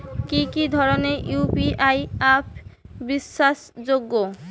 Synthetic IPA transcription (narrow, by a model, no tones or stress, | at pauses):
kikid̪ʱɔɾonejupiʔajap̚ʰbiʃːaʃd͡ʑoɡːo